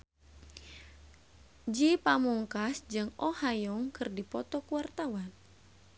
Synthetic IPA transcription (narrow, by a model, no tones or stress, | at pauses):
d͡ʒipamuŋkasd͡ʒɨŋɔhajɔŋkɨrdipɔt̪ɔkuwart̪awan